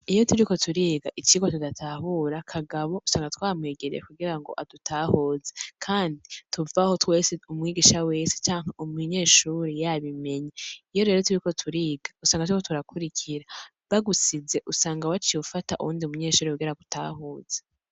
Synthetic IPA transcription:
ijo̞tuɾiko̞tʰuɾiːɡaʔit͡ʃiɡo̞tudatʰaːɦuɾakʰaɡaβo̞usaːŋɡatwaːmŋeːɡeɾḛekuɡiɾaŋɡo̞̰ʔadutʰaːhoːzekʰaːndituvaho̞twe̞ːseumŋiːɡiːʃawe̞ːse̥t͡ʃaːŋ̥haʔumuɲe̞ːʃuːɾejaβime̞ɲaijo̞ɾe̞ːɾo̞tuɾiko̞tʰuɾiːɡḁusaːŋɡatuikotuɾakʰuɾicʰiɾa | βaɡusize̞ʔusaːŋɡawat͡ʃiufata̰ʔṵuːndiumuɲe̞ːʃuːɾekuɡiɾaɡuta̰ːɦoːz̥e̥

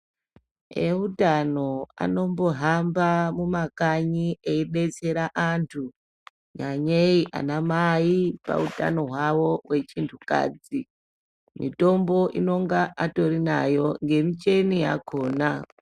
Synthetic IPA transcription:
eutano̞a̰no̞mbo̞ɦambamumakaɲieiɗe̞t͡se̞ɾaʔantʰu | ɲaɲeiʔa̰namaipa̰uta̰no̞ɦwawo̞we̞t͡ʃintʰuka̰ːd͡zi | mḭto̞mbo̞ʔino̞ŋɡaʔato̞rinajo̞ŋɡe̞mit͡ʃe̞nija̰kʰo̞ːna

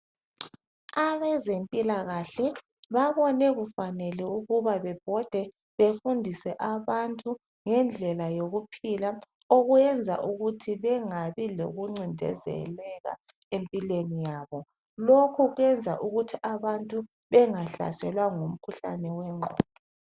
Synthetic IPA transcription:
aβɛzempʼilaɣaɬɛ | βaβɔnɛɣufanɛlɛuɣuβaβɛb̥ʱɔd̥ʱɛ | βefundʱisɛʔaβantʼu | ŋɛnd͡ɮʱɛlajoɣupʰila | oɣujɛnd͡zʱa̰ʔuɣutʰiβɛŋaβilo̰ɣuŋ͡ǀindʱɛ̰zɛ̰lɛɣa̰ | empʼilenijaːβɔ | lokʰuɣwɛnd͡zʱa̰ʔuɣutʰiʔaβantʼu | βɛŋaɬa̰sɛlwaŋum̩kʰuɬa̰nɛwɛŋ͡ǃʱɔ̰ːɔ

